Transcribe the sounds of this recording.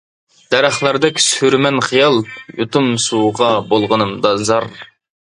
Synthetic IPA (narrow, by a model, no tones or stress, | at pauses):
d̪̥ɛɾɑχlˠɑɾd̪ɛkʲshyɾmɛnχijɑlˠjut̪umsuːʁɑbolˠʁənɨmd̪ɑzɑɾ